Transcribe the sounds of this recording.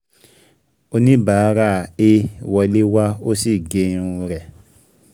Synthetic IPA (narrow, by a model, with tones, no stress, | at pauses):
o˧nĩ˦ba˨˦ɾa˦˨e˦˨wɔ˧le˦wa˦o˦si˦˨ɡe˨˦ũ˧ɾɛ˨